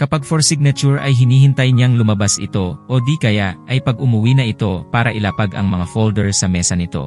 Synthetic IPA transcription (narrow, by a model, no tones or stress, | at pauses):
kɐpaɡ̚foɾsɪɡ̚nɐt͡ʃuɹʔɐjɦɪniːhɪnt̪ɐjɲaŋlʊmɐbasʔɪ̰t̪o̞ʔod̪ikɐjaʔʔɐjpɐɡʊmʊwinɐʔɪt̪o̞paːɾɐʔɪlaːpaɡɐ̰ŋmɐŋafold̪ɛɹsɐmɛːsɐnɪt̪o̞̰